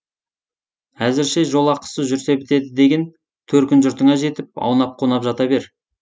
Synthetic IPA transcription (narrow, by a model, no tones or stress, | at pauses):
æzɪɾʃeʒo̞lˠɑqə̥səʒʏɾse̞bɪt̪e̞d̪ɪd̪e̞ɡʲe̞n | t̪ʰɵɾkʲɪnʒʊɾt̪əɴɑʒe̞t̪ɪp̚ɑ̰wnɑp̚qʰonɑpʒɑt̪ɑbe̞ɾ